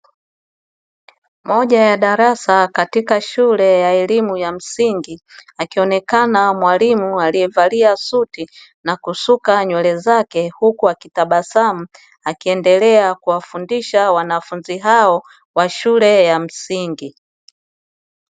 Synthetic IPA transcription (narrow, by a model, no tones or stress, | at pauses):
mɔʄajaɗaɾasakatikaʃulɛjaɛlimujam̩siŋɡiakiɔnɛkanamwalimualiɛvaliasuti | nakusukaɲwɛlɛzakɛhukuakitaɓasamu | akiɛndɛlɛakuwafundiʃawanafunziɦaɔ | waʃulɛjam̩siŋɡi